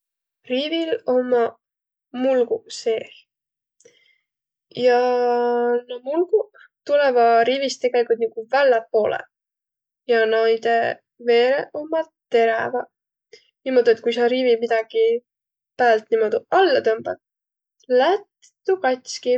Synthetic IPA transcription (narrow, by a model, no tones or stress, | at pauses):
riːvilo̞mɑ | mulɡuse̞ːh | jɑ | nɑmulɡ̥u | t̪ulevɑɾiːvist̪e̞ɡ̥elikːˑult̪niɡ̥uvælːɑpo̞ːlḛ | jɑnɑjd̪̥e | ve̞ːɾeʔo̞mːɑt̪e̞ɾɑvɑ | nimo̞d̪̥uet̪̚kujsɑɾiːvimid̪̥ɑɡ̥i | pæːlt̪ːˑnimo̞d̪uʔɑlːɑt̪ø̞mb̥ɑ̰t̪̚ | læt̪ː | ukɑt̪ʲski